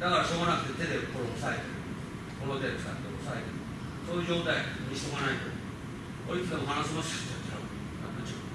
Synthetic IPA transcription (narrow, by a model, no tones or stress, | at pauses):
d̪akaɾaɕo̞ːɡanakɯ̟̥t̪ːet̪ed̪ebkoɾoosaet̪eɾɯ | koɾot̪eɾebɯsaɾt̪oosaet̪eɾɯ | soːjɯ̟ʑo̞ːt̪aimʲiɕi̥t̪oɡanait̪o | oɾʲit͡sɨd̪emoɦanasɨmoɕi̥kɯ̟̥t͡ɕːat͡ɕia̰o | a̰nat͡ɕio